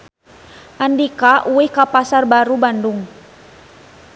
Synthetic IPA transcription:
ʔandikaʔuihkapasarbaɾubanduŋ

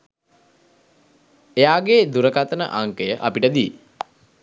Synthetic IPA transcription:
ejaːɡed̪uɾəkat̪ənə̰ʔaŋkəjəʔapiʈəd̪ie

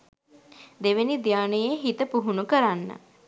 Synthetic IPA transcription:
d̪eʋenid̪jaːnəjeɦit̪əpuɦunukəɾanːə̰

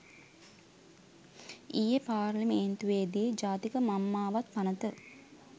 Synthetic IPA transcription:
ʔijepaːrlimeːnt̪uʋeːd̪ijed͡ʒaːt̪ikəmamːaːʋat̪̚panət̪ə

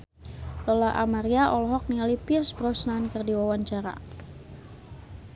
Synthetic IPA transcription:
lɔlaʔa̰maɾiaʔɔlɔɦɔk̚nialipirsbɾɔsnankərdiwawaɲt͡ʃaɾa̰

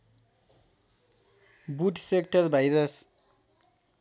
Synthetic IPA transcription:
buʈsekʈʌrbʱajɾʌs

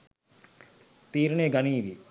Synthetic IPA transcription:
t̪iːɾneːɡɐniːʋi

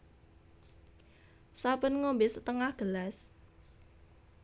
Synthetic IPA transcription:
sapənŋombɪst̪əŋahɡ̥əlas

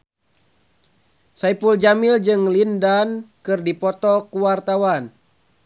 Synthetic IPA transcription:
saipuld͡ʒamild͡ʒɨŋlindankɨrdipɔt̪ɔkuwart̪awan

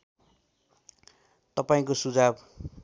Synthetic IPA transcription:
t̪ʌpaĩkosud͡zab

